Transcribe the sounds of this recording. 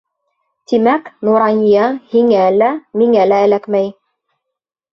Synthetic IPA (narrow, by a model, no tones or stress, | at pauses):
t̪imæknuɾɑnʲijɑhiŋælæmiŋælæːlækmæj